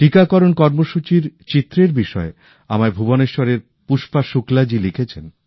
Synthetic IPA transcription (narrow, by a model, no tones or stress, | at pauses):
ʈikakɔɾonkɔɾmoʃut͡ɕiɾt͡ɕit̪ːɾeɾbiʃɔe | amaebʱuboneʃɔɾeɾ | puʃpaʃuklad͡ʑilikʰet͡ɕʰen